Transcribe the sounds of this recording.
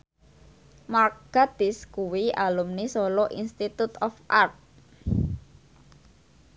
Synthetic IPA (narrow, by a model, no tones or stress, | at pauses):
marɡ̥ad̪̥ɪskuwialumnisɔlɔʔinst̪it̪ut̪ɔfʔart̪̚